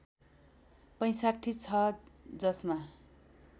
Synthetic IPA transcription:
pʌj̃saʈʰːit͡sʰʌd͡zʌsma

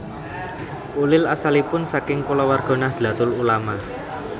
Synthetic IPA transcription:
ulɪlasalipʊnsakɪŋkulɔwarɡ̥ɔ̤nahd̪̥ä̤t̪ʊlulama

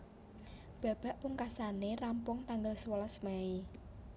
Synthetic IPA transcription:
b̥a̤b̥ä̤ʔpuŋkasanerampʊŋt̪aŋɡəlswolasmai

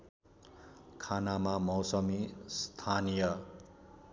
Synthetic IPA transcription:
kʰanamamʌwsʌmist̪ʰanijʌ

